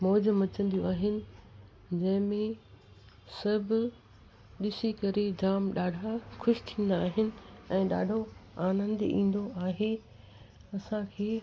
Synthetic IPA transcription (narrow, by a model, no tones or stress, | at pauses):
mɔːd͡ʑəmɐt͡ɕə̃nd̪ijõaːɦɪnɪ̆ | d͡ʑɐ̃ɦɪ̃mẽ | sɐbʱɪ | ɗɪsikɐɾed͡ʑaːmɗaːɖʱaxʰʊʃɪ̥t̪ʰĩːn̆d̪aːɦɪnɪ̆ɛ̃ːɗa̰ːɖʱoaːnə̃nd̪ḭ̃ːn̆d̪oaːɦe | ɐsãkʰeː